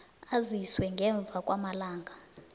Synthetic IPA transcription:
aziswɛŋɡʱɛɱb̪vʱakʼwamalaːŋɡʱa

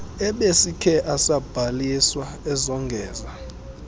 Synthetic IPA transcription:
ɛɓesikʰɛʔasab̥ʱaliswa | ɛzɔŋɡʱɛːza

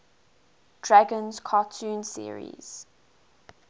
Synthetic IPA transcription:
d̥ɹaɡə̃nz̥kʰɑtʰũːnsḭəɹḭz̥

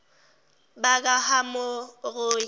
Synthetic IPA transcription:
bak̬ʼahamoɣʊːi

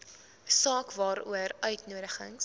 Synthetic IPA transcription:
sɑːkvɑːɾṵərœɥtnuəɾəχə̰ŋs

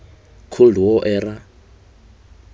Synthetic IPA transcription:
kʰoluwɔʔɛːɾa

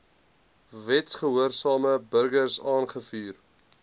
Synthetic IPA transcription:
vɛtsχəɦuərsɑːməbərɡərsɑːnχəfyːr

